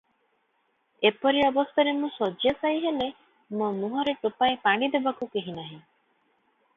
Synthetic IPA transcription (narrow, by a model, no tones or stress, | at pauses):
epɔɾiɔbɔst̪ʰɔɾemũsɔd͡ʒjasaiɦele | momuɦɔɾeʈopaepaɽ̃id̪ebakukeɦinaɦĩ